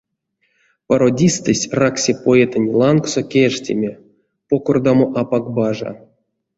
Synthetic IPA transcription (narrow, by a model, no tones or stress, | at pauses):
paɾodʲist̪ɨsʲraksʲepoet̪ənʲlˠanksokʲeʂtʲḛmʲe | pokord̪amoʔapakbaʐa̰